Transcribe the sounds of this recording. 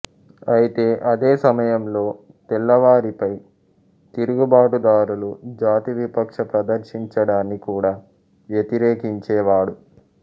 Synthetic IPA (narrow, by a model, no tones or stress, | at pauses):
ɐjit̪e̞ːʔɐd̪e̞ːsɐmɐjɐmlo̞ː | t̪ɛlːɐʋaːɾipɐj | t̪iɾuɡubaːʈud̪aːɾulud͡ʒaːt̪iʋipɐkʂɐpɾɐd̪ɐɾʃiɲt͡ʃɐɽaːnːikuːɽaː | ʋjet̪iɾeːkiɲt͡ʃɛːʋaːɽu